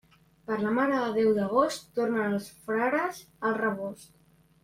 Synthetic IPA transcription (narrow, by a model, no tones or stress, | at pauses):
pəɾləmaɾəðəðɛwðəɣ̞ost̪ːornənəlˠsfɾaɾəz | əlˠrəβost̪